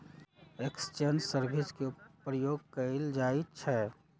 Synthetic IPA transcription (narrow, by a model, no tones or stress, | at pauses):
ekst͡ʃensəɾbʱiskepɾəjoɡ̚kəeld͡ʒait͡ʃʰɛ